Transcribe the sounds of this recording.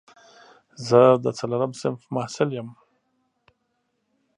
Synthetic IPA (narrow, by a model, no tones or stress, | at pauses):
zəd̪ət͡salaɾamsɪnfmahsɪljəm